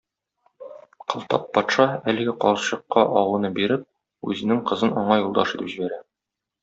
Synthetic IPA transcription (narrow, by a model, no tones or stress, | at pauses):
qɤ̆lˠt̪ɑpːɒt̪ʃɑælɘ̆ɡɘqɒɤ̆ɕɤ̆qːɑʔɒwɤ̆nɤbiɾɘp̚ | ʉ̰zɘ̆nɘŋqɤ̆zɤnɒɴɑjulˠd̪ɑʃit̪ɘpʑibæɾæ